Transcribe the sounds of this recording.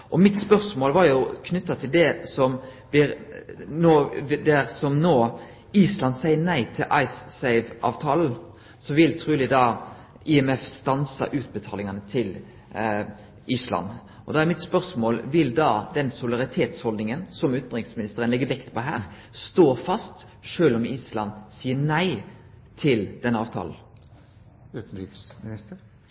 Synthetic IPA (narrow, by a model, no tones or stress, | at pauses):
ʔɔmɪt̪spœɾsmoːlʋɑɾjʊkʰnʉt̪ːɑt̪ʰɪld̪ɛsɔmb̥lɪɾnoːd̪æɾsɔmnoː | iːslɑnd̪sæɪənæɪt̪ʰɪlʔɑɪsːæɪʋʔɑ̰ːʋt̪ʰɑːln̩ | sɔʋɪlt̪ʰʁʉːlɪd̪ɑ | ɪɛmɛfst̪ɑnsɑ̰ʔʉːt̪̚bət̪ʰɑːlɪŋɑnət̪ʰɪl | ʔiːslɑ̰n | ʔɔd̪ɛæʁɾmɪt̪spœʁsmoːlʋɪld̪ɑːd̪ɛnsʊlɑʁɪt̪ʰeːt̪shɔld̪nɪŋənsɔmʉːt̪n̩d̪ʁɪŋsmɪnɪst̪əʁənlɛɡːəʋɛkt̪pʰɔɦæ̰ːɾ | st̪oːfɑst̪ | ʂøːlɔmiːslɑnsiːənæɪ | t̪ʰɪld̪̥ɛnɑːʋt̪ʰɑ̰ːln̩ | ʉːt̪n̩iksmɪnɪst̪əɾ